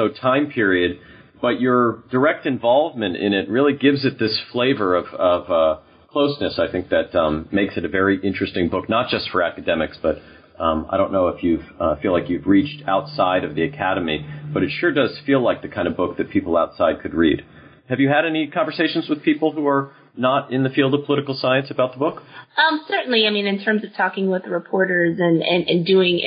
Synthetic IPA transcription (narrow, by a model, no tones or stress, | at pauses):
soʊtʰãɪ̃mpʰɪɹiɨd̚ | b̥ʌt͡ʃə˞d̥ə˞ɛk̚tɨ̃ɱvɑlˠvmɨ̃ntɪ̰̃ñɪt̚ɹɪlˠiɡɪvzɨt̪̚ðɪsfleɪvə˞ʌv̥ʌvʌ | kʰl̥oʊsnɨsaɪθɪ̃ŋk̚ðɨt̚ʌ̃mːeɪksɨɾɨvɛɹiʔɪ̃nt͡ʃɹ̥ɨstɪ̃ŋbʊk̚nət̚d̥ʒ̥ʌstfə˞ækɨdɛmɨksb̥ʌɾ | ʌ̃maɪɾõʊ̃nːoʊəfjʉv̥ʌfilaɪkjʉvɹit͡ʃtʰaʊtsaɪɾʌvðiɨkʰæɾɨmib̥ʌɾɨtʃʊɹdʌz̥filaɪk̚ðɨkʰãɪ̃ndɨvbʊk̚ðɨt̚pʰipl̩ˠaʊtsaɪd̚kʰɨd̚ɹḭd̥ | hɨvjɨɨɾɛnikʰɑ̃ɱvə˞seɪʃn̩zwəð̥pʰipl̩ˠhuə˞ | nəɾɪ̃nðɨfilˠdʌv̥pʰəlɪɾɨkl̩ˠsaɪɨ̃nsəbaʊt̪̚ðəbʊkʌ̃msɜ˞ʔn̩liaɪmĩnɨ̃ntʰɜ̃˞mzʌv̥tʰɔkɪ̃ŋwɪðəɹɨpʰɔɹɾə˞zɨ̃nɨ̃nʔɨ̰̃ndʉɪ̃ŋ